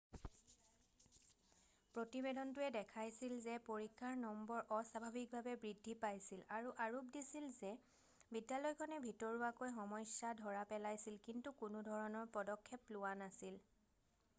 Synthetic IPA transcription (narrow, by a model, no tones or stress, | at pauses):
pɹotibedɔntʊɛdɛkʰajsilzɛpoɹikʰːaɹnɔmbɔɹʔɔsabʱabʱik̚bʱabɛbɹidʱːipajsilaɹuʔaɹup̚disilzɛ | bidjalɔjkʰɔnɛbʱitɔɹuwakojxɔmɔjsjadʱɔɹapɛlajsilkintukʊnʊdʱɔɹɔnɔɹpɔdɔkʰːɛplʊwanasil